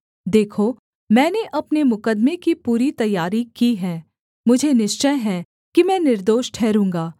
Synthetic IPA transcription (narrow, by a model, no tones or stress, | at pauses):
d̪eːkʰo | mɛ̃ːneʔɐpnemʊkəd̪mekipuːɾit̪ɐjːaːɾikiɦɛ̃ː | mʊd͡ʒʱenɪʃt͡ʃəjɦɛ̃ | kimɛ̃ːnɪɾd̪oːʃʈʰɛːɾũːŋɡaː